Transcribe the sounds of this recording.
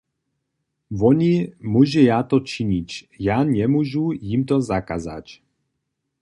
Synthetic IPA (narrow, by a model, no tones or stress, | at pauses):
vɔɲimuʒɛjaːt̪ot͡ʃiɲicjaːɲɛmuʒujimt̪ozakaza̰c